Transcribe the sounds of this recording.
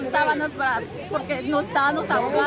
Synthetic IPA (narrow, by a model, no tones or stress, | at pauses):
est̪aβanospaɾa | poɾkenoest̪aβanosaβoɣa